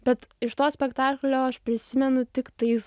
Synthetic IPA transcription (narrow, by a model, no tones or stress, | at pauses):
bʲɛt̪ɪʃt̪oːsʲpʲɛkt̪ɑːklʲoːɐʃpʲɾʲɪsʲɪmʲɛnʊt̪ʲɪkt̪ɐɪs